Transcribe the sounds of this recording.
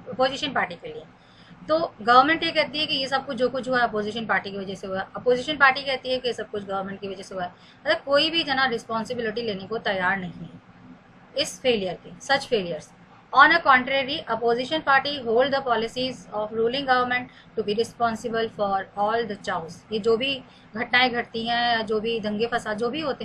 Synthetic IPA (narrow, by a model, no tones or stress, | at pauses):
ɐpoːzɪʃə̃npaːɾʈikelie | t̪oːɡɐʋəɾmɛ̃ɳʈjekɛɦt̪iɦɛkijesɐb̚kʊt͡ʃʰd͡ʒoːkʊt͡ʃʰɦuaɦɛɐpoːzɪʃənpaːɾʈikeʋɐd͡ʒɛseɦuaɐpoːzɪʃənpaːɾʈikɛɦt̪iɦɛkijesɐb̚kʊt͡ʃʰɡɐʋəɾmɛ̃ɳʈkiʋɐd͡ʒɛseɦuaɦɛ | mɐt̪ɐkoːibʱid͡ʒɐnaɾɪspɔ̃ːnsɪbɪlɪʈ̬ileːnekot̪ɐjaːɾnɐɦĩɦɛ | ɪsfeːlijəɾkesɐt͡ʃfeːlijəɾz̥ | ɔːnəkɔ̃ːɳʈɾeːɾiʔɐpoːzɪʃə̃npaːɾʈiɦoːlɖd̪əpɔːlɪsizɔːfɾuːlɪ̃ŋɡɐʋəɾmɛ̃ɳʈːubiɾɪspɔ̃ːnsɪbəlfɔːɾɔːld̪ət͡ʃaːzjed͡ʒoːbʱi | ɡʱɐʈnaːeɡʱɐʈt̪iɦɛ̃jad͡ʒoːbʱid̪ɐ̃ŋɡefɐsaːd̪d͡ʒoːbʱiɦoːt̪e